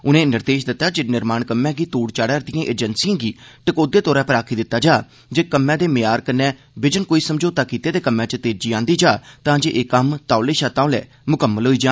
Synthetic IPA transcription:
ʊnẽːnɪɾd̪eːʃd̪ɪt̪ːaːd͡ʒenɪɾmaːɳkəmːɛ̃ːɡiːt̪uːɽt͡ʃaːɽaːɾd̪ɪjãːʔeːd͡ʒənsijãːɡiːʈəkoːd̪eːt̪ɔːɾɛ̃ːpəɾaːkʰiːd̪ɪt̪ːaːd͡ʒaː | d͡ʒeːkəmːɛ̃ːd̪eːmɪjaːɾkənːɛ̃ː | bɪd͡ʒənkoːiːsəmd͡ʒoːt̪aːkiːt̪eːd̪eːkəmːɛ̃ːt͡ʃt̪eːd͡ʒiːãːnd̪iːd͡ʒaːt̪ãːd͡ʒeːʔeːkəmt̪aːleːʃaːt̪ãõːlɛ̰ː | mʊkəmːəlɦoːiːd͡ʒãː

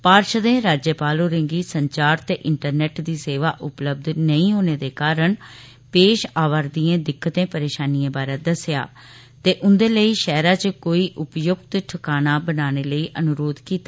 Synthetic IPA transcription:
paːɾʃd̪ẽːɾaːd͡ʒjəpaːloːɾɪ̃ŋɡiːsəɲt͡ʃaːɾt̪eːʔɪɳʈəɾnɛːʈd̪iːseːʋaːʔʊpləb̚d̪nəĩːɦoːneːd̪eːkaːɾəɳ | peːʃaːʋəɾd̪iːẽːd̪ɪkʰːət̪ẽːpəɾeːʃaːniːẽːbaːɾeːd̪əsɪja̰ː | t̪eːʔʊnd̪eːləiːʃɛːɾaːt͡ʃəkoːiːʔʊpjʊɡt̪ʈʰəkaːnaːbənaːneːləiːʔənʊɾoːd̪kiːt̪aː

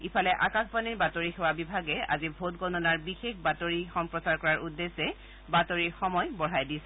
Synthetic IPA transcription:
ipʰalɛʔakãxʰbaniɹbatoɹixɛwabibʱaɡɛa̰zibʱotɡɔnɔnaɹbixexbatoɹixɔmpɹɔsaɹkɔɹaɹʔudːesɛ | batoɹixɔmɔjbɔɹajdisɛ

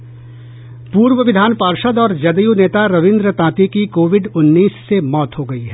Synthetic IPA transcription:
puːɾʋəʋɪd̪ʱaːnpaːɾʃəd̪ɔːɾd͡ʒɐd̪əjuːneːt̪aɾɐʋɪ̃nd̪ɾət̪ãːt̪ikikoːʋɪɖʊnːiːsːemɔːt̪ɦoɡɐiɦɛː

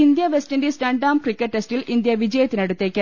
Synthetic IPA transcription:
ind̪jɐʋestindesɾɐɳɖaːmkrikːɐʈːestilʔind̪jɐʋid͡ʑɐjɐt̪ːinɐɽut̪ːeːkʲːɐ

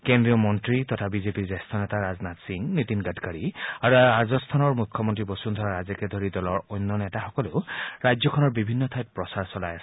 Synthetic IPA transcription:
kɛndɹijɔmɔntɹitɔtʰabizepiɹzɛstʰɔnɛtaɹaznatsiŋnitinɡatkaɹiaɹuazɔstʰanɔɹmukʰːɔmɔntɹibɔsund̪ʱɔɹaɹazɛkɛdʱɔɹidɔlɔɹɔjnːɔnɛtaxɔkɔlʊɹajzɔkʰɔnɔɹbibʱinːɔtʰajp̚pɹɔsaɹsɔlajasɛ̥

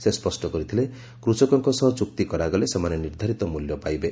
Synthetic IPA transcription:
sespɔsʈɔkɔɾit̪ʰile | kɾut͡ʃɔkɔŋkɔsɔɦɔt͡ʃuk̚t̪ikɔɾaɡɔlesemaneniɾd̪ʱaɾit̪ɔmuljɔpajbe

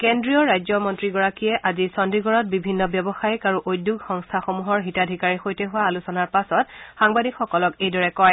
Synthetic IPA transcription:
kendɹiɔɹajzɔmɔntɹiɡɔɹakijɛʔazisɔndiɡɔɹɔt̚bibʱinːɔbjɔbɔxajkaɹuʔojdjuɡxɔŋstʰaxomuɦɔɹɦitadʱikaɹixojtɛɦʊwaːlusɔnaɹpasɔtxaŋbadikxɔkɔlɔkejdɔɹɛkɔj

